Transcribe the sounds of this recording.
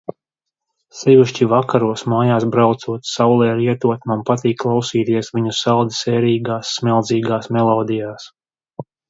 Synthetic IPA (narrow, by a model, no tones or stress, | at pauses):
sɛviʃt͡ʃivakaɾuɔsmaːjaːsbɾawt̪suɔt̪sawlˠɛːɾiɛt̪uɔt̪mampat̪iːkːlˠawsiːt̪iɛsvʲiɲusalˠd̪isɛːɾiːɡaːsːmʲɛlˠd̪ziːɡaːsmɛlˠɔːd̪ijaːs